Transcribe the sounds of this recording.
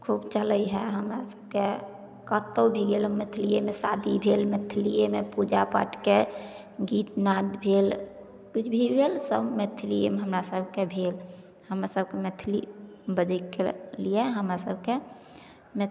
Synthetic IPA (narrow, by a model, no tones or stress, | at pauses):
kʰubt͡ʃələjɦɛɦəmɾasə̥b̚ʱke | kət̪ːəbʱiɡelomet̪ʰlijemesad̪ʱibʱelmet̪ʰlijemepud͡ʒapa̰ʈʰke | ɡiːt̪nad̪bʱel | kʊt͡ʃʰbʱibʱelsəbmet̪ʰlijemeɦəmɾasəbʱkebʱel | həmɾasəb̚ʱkemet̪ʰlḭbəd͡ʒəikḛlijeɦəmɾasəbʱke | me